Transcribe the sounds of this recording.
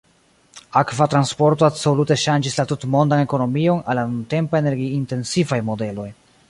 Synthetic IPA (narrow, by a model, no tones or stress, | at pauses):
akvatɾanspo̞ɾto̞abso̞lute̞ʃand͡ʒislatutmo̞ndane̞ko̞no̞mio̞nalːanunte̞mpaene̞ɾɡiːnte̞nsifajmo̞de̞lo̞j